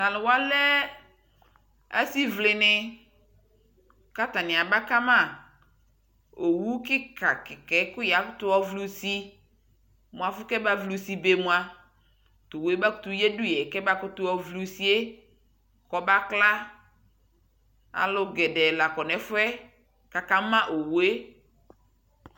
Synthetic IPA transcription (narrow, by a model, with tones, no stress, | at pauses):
na˨lʊ˨wa˦lɛ˦ | a̰˦si˦vlɪ˨nɪ˦ | ka˦ta˨nɪ̃˨a˨ba˦ka˦ma˦˨ | o˨wu˦kɪ˦ka˨kɪ˨kɛ˨˦kʊ˦ja˨˦kʊ˦tʊ˦ɔ˦vlu˦si˦ | mʊ̃˨a˨fʊ˦kɛ˦ba˦vlu˦si˦be˨˦mũ˦a˨ | tʊ˨we˦ba˦kʊ̥˦tʊ˦je˦dʊ˦jɛ˨kɛ˦ba˦kʊ˦tʊ˦ɔ˦vlu˦si˦e˦ | kɔ˦ba˦kla˦ | a̰˨lʊ˦ɡɛ˨dɛ˨la˨kɔ˨nɛ˨fʊ˦ɛ˦ | ka˨ka˦mã˦ʔo˨we˦